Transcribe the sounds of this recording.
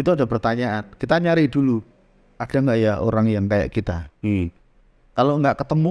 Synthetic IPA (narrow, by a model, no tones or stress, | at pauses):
it̪uadapərt̪aɲaankit̪aɲaɾɪhdulu | ad̥a̤ŋɡaʔjaɦo̰ɾaŋjaŋkaja̰ʔkit̪a | kaloŋɡaʔkət̪əmu